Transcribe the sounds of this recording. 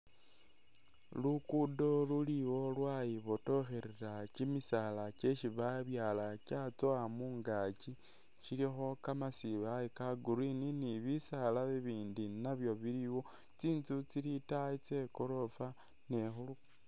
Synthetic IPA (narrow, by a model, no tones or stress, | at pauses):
lukudo̞luliwo̞lwajiβoto̞xeɾeɾacimisalat͡ʃe̞ʃiβaβjalacat͡soamuːŋɡat͡ʃi | ʃilixo̞kamasiβajikaɡuɾininiβisalaβiβiːndinaβjo̞βiɾiwo̞ | t͡siːnt͡sut͡silitait͡se̞koɾo̞fa | ne̞xulu